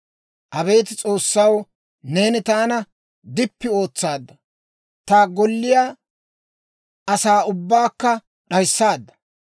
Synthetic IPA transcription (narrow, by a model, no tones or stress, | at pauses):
ʔɐbe̞ːt̪ɪt͡sʼo̞ːsːɐw | ne̞ːnɪt̪aːnɐ | d̪ɪpːɪo̞ːt͡sːaːd̪ːɐ | t̪aːɡɔlːɪjaː | ɐsaːʊbːaːkːɐ | ɗɐjsːaːd̪ːɐ̥